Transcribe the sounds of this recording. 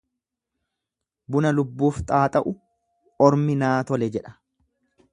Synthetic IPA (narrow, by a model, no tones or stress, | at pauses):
bʊnɐlʊbːuːft̪ʼaːt̪ʼɐʔʊ | ɔɾmɪnaːt̪ɔlɛd͡ʒɛᶑɐ̥